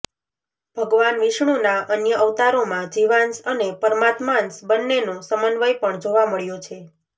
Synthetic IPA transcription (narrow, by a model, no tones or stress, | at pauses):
b̥ʱəɡʋanʋiʃɳ̃unaʔənjəəʋt̪aɾomãd͡ʒiʋansənepəɾmat̪mansbənːenosəmənʋəjpəɳd͡ʒoʋaməɭjot͡ʃʰe